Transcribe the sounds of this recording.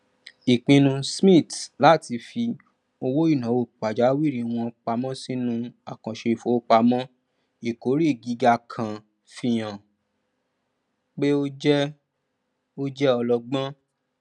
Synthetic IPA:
i˨k͡pĩ˧nũ˧smĩ˦˨tla˦˨ti˧fi˧ | o˧wo˦i˦˨nã˨˦wo˦˨k͡pa˨d͡ʒa˨˦wi˦˨ɾĩ˨˦w̃ɔ̃˧k͡pa˧mɔ̃˦si˦nũ˧a̰˨kã˨ʃe˧˨fo˨˦k͡pa˧mɔ̃˦ | i˨ko˨˦ɾi˦˨ɡi˨˧˦ɡa˧kʰã˧ | fi˧j̃ã˨ | k͡pe˦o˦d͡ʒɛ˦ | o˦d͡ʒɛ˦ɔ˧lɔ˧ɡ͡bã˦

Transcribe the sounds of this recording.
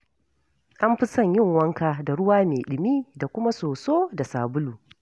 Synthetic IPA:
ʔa˦mɸɪ˦sɐ˦˨ɲjɪ˦˨ŋwɐ˦ŋkaː˦da˨ɽʊ˦waː˦meː˨ɗɪ˨miː˦da˨kʷʊ˦ma˦soː˨soː˦da˨saː˨bʊ˦luː˨

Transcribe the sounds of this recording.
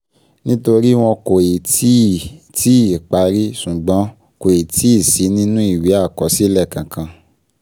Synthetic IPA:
nĩ˦to˧ɾi˦w̃ɔ̃˧ko˨e˨ti˦˨ | tʰi˦i˦˨k͡pa˨˧˦ɾi˦sũ˨ɡ͡bɔ̃˨˦ | ko˨e˨tʰi˨˦i˦˨si˨˦nĩ˦nũ˦i˦˨wi˨˦a˦˨kɔ˨˦si˦lɛ˦˨kã˨kʰã˧

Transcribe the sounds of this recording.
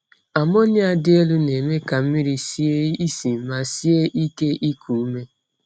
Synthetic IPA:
a˨mɔ˦ɲ˦a˦˨dɪ˦e˦lu˦ne˨me˦ka˨m̩˦mi˦ɾi˦si˦e˦i˦si˨m̩˦ma˨si˦e˦ʔi˦ke˦ʔi˦kʰu˨u˦me˦

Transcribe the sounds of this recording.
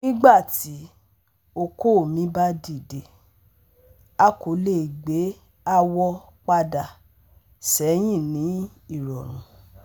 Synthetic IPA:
nĩ˦ɡ͡ba˦˨ti˨˦ | o˧ko˦˨mĩ˨˦ba˦di˦˨de˨ | a˦ko˨˦le˦˨ɡ͡be˨˦ | a˦wɔ˧ | k͡pa˧da˨ | sɛ˨˦j̃ĩ˦˨nĩ˨˦ | i˦˨ɾɔ˨ɾ̃ṵ̃˨˦

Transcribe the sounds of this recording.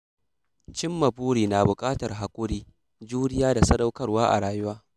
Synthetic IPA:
t͡ʃɪ˦mːɐ˨buː˦ɽiː˨na˨bʊ˨kʼaː˦tɐ˨rɦa˨kʷʼʊ˦ɽiː˦ | d͡ʒuː˦dɪ˦jaː˦da˨sɐ˦da˦wkɐ˦rwaː˦ʔa̰˨ɽaː˨jʊ˦waː˦

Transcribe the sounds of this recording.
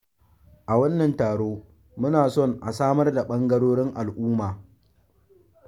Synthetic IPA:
ʔa˨wɐ˦nːɐ˨ntaː˨ɽoː˦ | mʊ˦naː˨sɔ˦˨ŋʔa˨saː˦mɐ˦rda˨ɓɐ˦ŋɡɐ˦ɽoː˦ɽɪ˦ŋʔa˨lʔʊː˦maː˨

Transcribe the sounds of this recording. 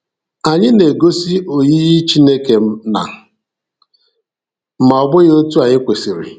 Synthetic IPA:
a˨ɲɪ˦ne˨ɡo˦si˦o˨ji˦ɣi˦t͡ʃi˦ne˦ke˨m̩˦na̰˨ | m̩˦ma˨ɔ˨ɡ͡bʊ˦jo˦tu˦a˨ɲɪ˦kʷe˨si˨ɾɪ̰˨

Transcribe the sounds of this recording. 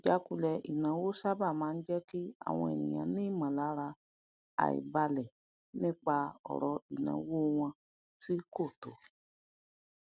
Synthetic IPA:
d͡ʒa˦ku˧˦lɛ˧ʔi˨nã˨˦wo˦sa˦ba˦˨mãː˨˦n̩˦d͡ʒɛ˦ki˦a̰˦˨w̃ɔ̃˧ɛ˨nḭ̃˨j̃ã̰˨nĩ˦˨mã˨la˨˦ɾa˧ | a̰˨ḭ˨ba˧lɛ˨ | nĩ˦k͡pa˧ɔ̰˨ɾɔ˨i˨nã̰˨wo˦w̃ɔ̃˧ | ti˦ko˦˨to˨˦

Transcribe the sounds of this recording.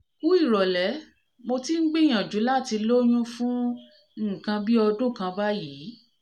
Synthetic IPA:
u˦i˦˨ɾɔ˨lɛ˨˦ | mo˧ti˦ŋ̩˦ɡ͡bĩ˦˨j̃ã˨d͡ʒũ˨˦la˦˨ti˧lo˦j̃ũ˦fũ˦˨ | kã˧bi˦ɔ˧dũ˦˨kã˧ba˦ji˨˦

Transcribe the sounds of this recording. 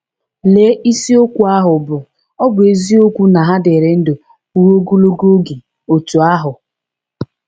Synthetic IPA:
le˨˦ʔi˦si˦o˦kʷu˨a˦ɦʊ˨bʊ˨ | ɔ˦bʊ˨e˨zi˦o˦kʷu˦na˨ɦa˦de˨ɾe˨n̩˦do˨ | u˦ɾo˦ɡu˦lo˦ɡo˦ɡe˨ | o˨tu˨a˦ɦʊ˨

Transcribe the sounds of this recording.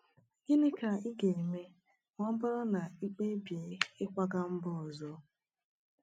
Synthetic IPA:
ɡi˦nɪ˦ka˨i˦ɡe˨me˦ | ŋʷɔ˦m̩˦bʊ˦ɾɔ˦na˨i˦k͡pe˦bje˨˦ɪ˦kʷa˦ɡa˦m̩˦bʊ˦ɔ˨zɔ˦

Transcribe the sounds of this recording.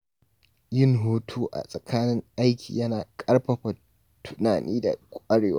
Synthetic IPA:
jɪ˦ŋɦoː˦tʰuː˦ʔa̰˨sʼɐ˨kʰaː˦nɪ˦ŋʔa˦jkʲʰḭː˨jɐ˦naː˨kʼɐ˦ɽɸɐ˨ɸa˨ | tʰʊ̥˦naː˨nʔiː˦da̰˨kʷʼɐ˦ɽeː˨waː˦

